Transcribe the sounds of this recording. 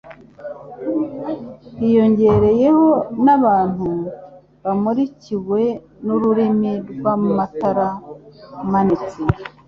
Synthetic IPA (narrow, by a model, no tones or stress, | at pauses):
hijo̞ɲɟe̞ɾe̞je̞ho̞naβaːn̥hu | βamuɾiciwe̞ | nuɾuɾimiɾɡwammataɾa | manit͡si